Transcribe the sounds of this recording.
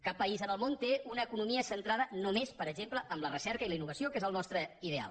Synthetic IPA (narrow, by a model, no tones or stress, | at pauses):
kapːəizənəlˠmont̪eʔunəːkunumiəsənt̪ɾaðənomespəɾəɡʒempləʔəmlərəsɛɾkəiləinːuβ̞əsiokezəlˠnɔst̪ɾəiðea̰lˠ